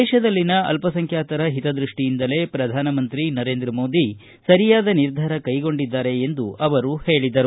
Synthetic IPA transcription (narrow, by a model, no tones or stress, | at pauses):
ɛːʃɐd̪ɐlːinɐɐ̰lpɐsɐŋkʰjaːt̪ɐɾɐɦit̪ɐd̪ɾiʂʈijind̪ɐle̞ːpɾɐd̪ʱaːnɐmɐnt̪ɾinɐɾeːnd̪ɾɐmo̞ːd̪i | sɐɾijaːd̪ɐniɾd̪ʱaːɾɐkɐjɡo̞ɳɖid̪ːaːɾe̞ːnd̪uʔɐʋɐɾuhe̞ːɭid̪ɐɾu